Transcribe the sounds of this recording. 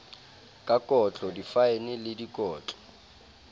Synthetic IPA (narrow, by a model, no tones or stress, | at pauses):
kʼakʼɔt͡ɬʼɔdifaɪnɪlɪdikʼɔːt͡ɬʼɔ̥